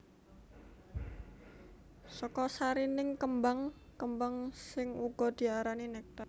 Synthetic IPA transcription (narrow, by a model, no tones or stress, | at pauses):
sɔkɔsaɾinɪŋkəmbaŋkəmbaŋsɪŋuɡ̥ɔ̤d̪̥i̤aɾaninɛk̚t̪a